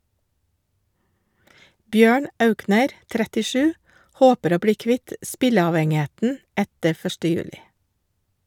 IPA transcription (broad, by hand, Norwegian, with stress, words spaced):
ˈbjøːɳ ˈʔɑʉknəɾ ˌtɾætɪˈʃʉː ˈhoːpəɾ ˈoː ˈbɽiː ˈkʋɪt ˈʔspɪləɑʋɛŋɪˌheːtn̩ ˈætə ˈfœʃʈə ˈjʉːlɪ